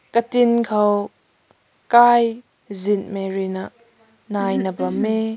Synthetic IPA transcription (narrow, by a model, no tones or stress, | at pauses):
kət̪ɪnkʰɔw | kaːj | zɪn̚mɛrinaʔ | naːjnəbɐmːe